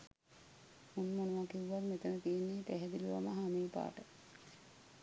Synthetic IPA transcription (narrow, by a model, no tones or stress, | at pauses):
unmonuʋakiwːarmet̪ənət̪ijenːeːt̪æɦɛd̪iluʋa̰məɦamiːpa̰ːʈə